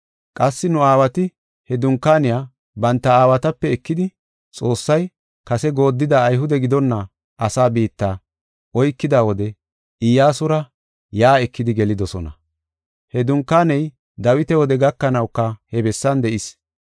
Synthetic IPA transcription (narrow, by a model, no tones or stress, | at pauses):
kʼɐsːɪnʊaːwɐt̪ɪ | hɛd̪ʊŋkːaːnɪjaː | bɐnt̪ːɐaːwɐt̪ɐpːɛːkːɪd̪ɪ | t͡sʼo̞ːsːɐj | kɐsɛɡo̞ːd̪ːɪd̪aːjɦʊd̪ɛɡɪd̪ɔnːɐ | ʔɐsaːbiːt̪ːaː | ʔɔjkːɪd̪aːwɔd̪ɛ | ɪjaːsʊɾɐ | jaːɛkːɪd̪ɪɡɛlɪd̪ɔsɔnɐ̰ | hɛd̪ʊŋkːaːnɛj | d̪ɐwɪt̪ɛwɔd̪ɛɡɐkːɐnɐwkːɐhɛbɛsːɐnd̪ɛʔɪs